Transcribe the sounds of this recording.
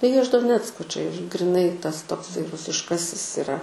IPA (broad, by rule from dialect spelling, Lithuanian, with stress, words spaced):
tɐɪ ˈjiɛ ɪʃ doːˈnʲæːt͡skoː t͡ʃʲɛ ɪʃ ɡrʲɪˈnɐɪ ˈtɐs toːkˈsɐɪ rʊsʲɪʃˈkɑːsʲɪs ɪˈrɐ